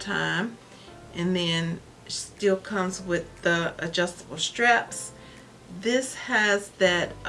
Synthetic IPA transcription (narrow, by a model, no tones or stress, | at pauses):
tʰãɪ̃m | ʔɨ̃nðɨ̃n | sstɪlˠkʰʌ̃mzwɪðiɨd͡ʒʌstəbl̩ˠstɹ̥ɛps | ðɪshɨzðɨɾʔ